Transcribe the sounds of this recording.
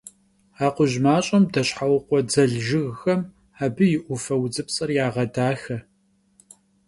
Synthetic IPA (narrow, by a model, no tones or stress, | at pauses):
aːqʷʊʑmaːɕʼɐmdɐɕħawqʷɔd͡zɐɮʒɪɣxɐm | aːbɨjɪʔʷʊfɐwd͡zɨpsʼɐrjaːʁɐdaːxɐ